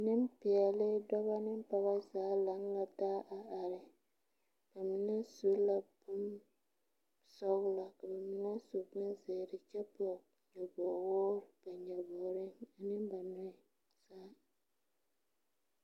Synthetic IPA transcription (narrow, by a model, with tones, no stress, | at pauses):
nɨ˦m˦pi˨ɛ˨lɪ˦dɔ˦βa˦nɨ˦m˦pa˦ba˦zaː˨˦la˨˦ŋla˦taː˦ʔa˨a˨ɾɪ˨ | b̥a˨mi˨na˦su˦la˦bʊ˦m | sɔ˦ɣʊ˦la˨ka˨ba˨mi˨na˦so˨bʊ˦nzeː˨dɪ˨t͡ʃɛ˦bɔ˨ | ɲɛ˨bɔː˨wɔː˦ɾba˨ɲɛ˨bɔː˨ɾɪ˦a˨nɨ˦mba˨nʊ˦ɪ˨ | saː˦